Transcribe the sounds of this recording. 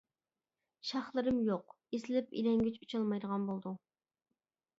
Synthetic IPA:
ʃɑχlˠɨɾɨmjoq | esɪlɪpḭlɛŋɡʲyt͡ʃut͡ʃʰɑlˠmɑjd̪əʁɑnbolˠd̪u

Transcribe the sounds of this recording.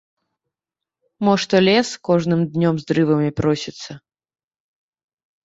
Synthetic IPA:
mɔʂt̪ɔlʲɛskɔʐnɨmd̪nʲɔmzd̪ɾɨvɐmʲipɾɔsʲit̪sːɐ

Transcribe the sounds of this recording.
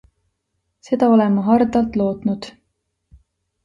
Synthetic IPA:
se̞d̪̥ɑo̞le̞mɑɦɑrd̪ɑlt̪lo̞ːt̪nud̪̥

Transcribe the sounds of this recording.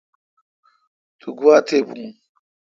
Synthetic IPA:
t̪ʰuɡuat̪ʰebuŋ

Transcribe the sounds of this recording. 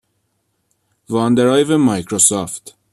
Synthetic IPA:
vɑːnd̪eɾɑjvemɑjkʰɾosɔft̪

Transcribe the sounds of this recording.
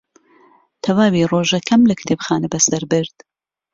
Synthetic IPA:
t̪ʰɐwaːwiːroːʒɐkʰɐmlɐkt̪ʰeːbxaːnɐbɐsɐɾbɨɾd̪̥

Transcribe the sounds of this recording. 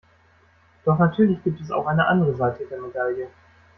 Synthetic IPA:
d̥ɔχnatʰyːɐlɪçɡ̥iːp̚tɛsa̰ʊxʔaɪnəʔa̰ndəʁəzaɪtʰədeːɐmedaljə

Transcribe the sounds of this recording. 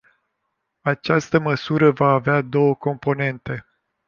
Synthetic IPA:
at͡ʃast̪əməsuɾəvaːvead̪o̞wəko̞mpo̞ne̞nt̪e̞

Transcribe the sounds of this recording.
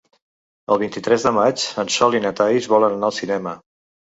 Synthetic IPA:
əlˠβ̞int̪it̪ɾɛzðəmat͡ʃənsɔlinət̪ajzβɔlənənaəlˠsinɛmə

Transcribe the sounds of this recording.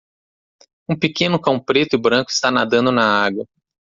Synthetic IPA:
ũpekẽnʊkãw̃pɾet̪ʊɪbɾɐ̃ŋkʊɪ̥st̪anad̪ɐ̃nd̪ʊnɐaɡwɐ

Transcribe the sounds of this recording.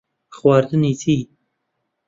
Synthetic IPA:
xwɑːɾd̪ɨniːt̪ʰiː

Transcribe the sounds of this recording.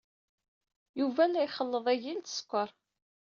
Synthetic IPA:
juvælːæjχəlːəðˤæʝilt̪ə̥skʷːəɾˤ

